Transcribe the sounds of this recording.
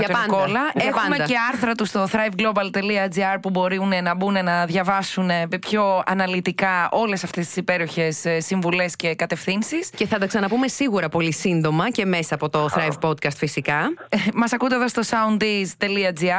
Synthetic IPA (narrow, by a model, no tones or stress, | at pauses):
ɐtkolɐexɐumeceɐɾθɾɐt̪ust̪o̞θɾɐjvɡlo̞bɐlt̪e̞liɐd͡ziɐɾpubo̞ɾine̞nɐbune̞nɐðʝɐvɐsune̞mpço̞ɐnɐlit̪ikɐo̞le̞sɐft̪est̪i̥sipe̞ɾoçe̞ssːiɱvule̞sce̞kɐt̪e̞fθinsisce̞θɐd̪ɐksɐnɐpume̞siɣuɾɐpo̞lisind̪o̞mɐce̞mesɐːpo̞t̪o̞θɾɐjvpod̪kɐst̪fisikɐmɐsɐkut̪eðɐst̪o̞sɐund̪izt̪e̞liɐd͡ziɐ